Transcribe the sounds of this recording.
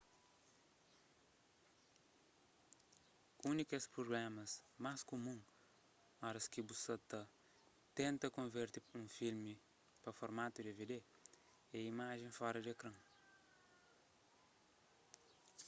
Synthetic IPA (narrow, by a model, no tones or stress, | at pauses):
unikɐspɾoɡlɛmɐsmaskomũŋ | aɾɐskibusɐt̪ɐ | t̪ẽnt̪ɐkõveɾt̪iũfilmi | pɐfoɾmat̪ud̪eved̪e | ɛimaʒẽfɔɾɐd̪ekɾɐ̃ŋ